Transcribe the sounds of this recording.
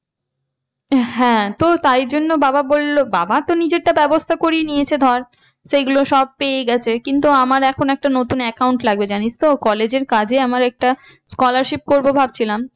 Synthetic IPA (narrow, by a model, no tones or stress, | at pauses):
ɦɛ̃t̪ot̪ajɾd͡ʑonːobababolːobabat̪onid͡ʑeʈ̚ːabɛbost̪ʰakoɾienijet͡ɕʰed̪ʱɔɾ | ʃeɡuloʃɔb̚peeɡɛt͡ɕʰekint̪̬uamaɾɛkʰonoɛk̚ʈanot̪unɛkawɳʈlaɡ̚bed͡ʑanit͡ɕʰt̪okɔled͡ʑeɾkad͡ʑeamaɾɛk̚ʈa | skɔlaɾʃip̚koɾbobʱab̚t͡ɕʰilam